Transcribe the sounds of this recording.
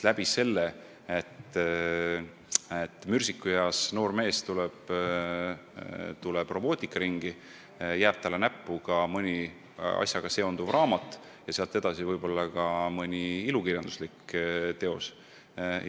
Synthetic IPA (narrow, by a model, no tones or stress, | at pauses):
læb̥ise̞lːe | et̪ː | et̪ːˑmyrʲsikːˑujɑːsno̞ːrme̞ːst̪ulɛb̥ | t̪ulɛb̥ro̞bo̞ːt̪ʲˑikːˑɑɾiŋɡ̥i | jæːb̥̚t̪ɑlːenæpːuɡɑmɤnʲi | ɑ̰sʲjɑɡ̥ɑse̞o̞nd̪uvrɑːmɑt̪ːˑ | jɑseɑlt̪ːˑed̪ɑsivɤjbo̞lːɑkɑmɤnʲiilukirjɑnd̪̥uslikːt̪e̞o̞s